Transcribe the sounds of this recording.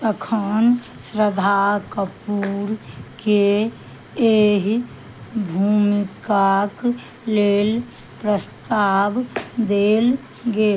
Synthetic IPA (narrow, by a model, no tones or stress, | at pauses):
t̪əkʰən | sɾəd̪ʱakəpuɾke | eɦ | bʱuːmikak | leːl | pɾəst̪aːbd̪eːl | ɡe